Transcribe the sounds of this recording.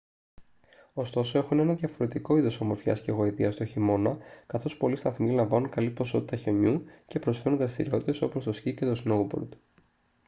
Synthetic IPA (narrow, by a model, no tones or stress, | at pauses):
o̞st̪o̞so̞e̞xune̞nɐðʝɐfo̞ɾe̞t̪iko̞iðo̞somo̞ɾfçɐ̰sceɣo̞it̪iɐst̪oçimo̞nɐkɐθo̞spo̞list̪ɐθmilɐɱvɐnunkɐlipo̞so̞t̪it̪ɐçe̞ɲuce̞pɾo̞sfe̞ɾunðɾɐst̪iɾiot̪it̪e̞so̞po̞st̪osçicet̪o̞snowbo̰ɾd̪